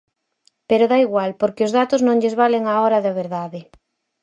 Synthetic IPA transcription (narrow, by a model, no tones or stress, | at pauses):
peɾʊðaiɣwalpoɾkɪʊzðat̪ʊznõŋʎɪzβaleŋaoɾɐðɐβ̞eɾðaðɪ